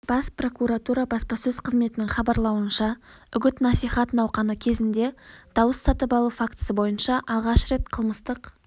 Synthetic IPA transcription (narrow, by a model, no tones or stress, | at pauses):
b̥ɑspro̞kuɾat̪uɾɑbɑspɑsɵzqʰəzme̞t̪ɪnɪŋχɑbɑɾlˠɑwənʃɑ | ʏɡʲɪt̪nɑsijχɑt̪ənɑwqɑnəkʲʰe̞zɪnd̪e̞d̪̥ɑwəsːɑt̪əpɑlˠufakt̪ə̥səbo̞jənʃɑʔɑlˠʁɑʃɾe̞t̪̚qʰəlˠməst̪əq